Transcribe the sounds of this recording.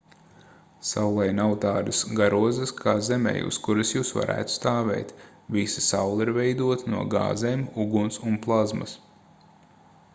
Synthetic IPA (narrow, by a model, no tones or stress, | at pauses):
sawlˠɛjnawt̪aːd̪ɐsɡaɾuɔzɨskʰaːzɛmɛ̰jṵskuɾɨsjuːsva̰ɾʔæ̰ːt̪st̪aːvɛ̰jt̪ | visi̥sawlˠiɾvɛjd̪uɔt̪nuɔɡa̰ːzeːmuɡunsunplˠazmɐ̰s